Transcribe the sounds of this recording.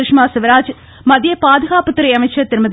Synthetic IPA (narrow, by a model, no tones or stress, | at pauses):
ɾɪʂmaːsɪʋɐɾaːd͡ʒ | mɐðjɐpaːðɐɣaːpɐt̪ːɪɾɐɪɐmɐɪt͡ʃːɐt̪ɪɾɯmɐð